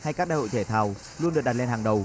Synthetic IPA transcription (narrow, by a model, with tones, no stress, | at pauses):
ha˧jkaː˦˥k̚ɗaː˧˨jo̰˧˨jt̪ʰe˧˩t̪ʰaː˨˩w | lu˧ənɗəɗa˨˩le˧nhaː˨˩ŋɗə˨˩w